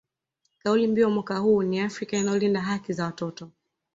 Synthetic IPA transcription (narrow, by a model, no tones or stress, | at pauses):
kaulimbiɔmwakahuːniafɾikainajɔlindaɦakizawatɔtɔ